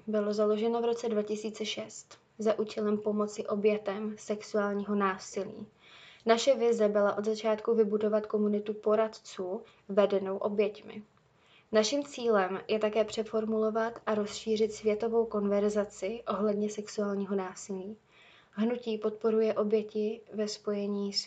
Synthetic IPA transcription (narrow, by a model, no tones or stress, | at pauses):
bɪlo̞zalo̞ʒɛno̞vɾo̞t͡sɛdvacɪsiːt͡sɛʃɛst̪ | zaʔuːcɛlɛmpo̞mo̞t͡sɪʔo̞bjɛt̪ɛmsɛksuaːlɲiːɦo̞naːsɪlḭː | naʃɛvɪzɛbɪlaʔo̞d̪zat͡ʃaːt̪kuvɪbudo̞vat̪ko̞munɪt̪upo̞ɾat̪t͡suː | vɛdɛno̞wʔo̞bjɛcmɪ̰ | naʃɪmt͡siːlɛmjɛt̪akɛːpr̝̥ɛfo̞ɾmulo̞vat̪ʔaɾo̞sʃiːr̝ɪt̪svjɛt̪o̞vo̞wko̞nvɛɾzat͡sɪʔo̞ɦlɛdɲɛsɛksuaːlɲiːɦo̞naːsɪliː | ɦnuciːpo̞t̪̚po̞ɾujɛʔo̞bjɛcɪvɛspo̞jɛɲiːs